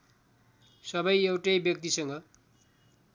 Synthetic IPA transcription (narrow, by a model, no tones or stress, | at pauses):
sʌbʌjewʈʌjbjʌk̚t̪isʌŋɡʌ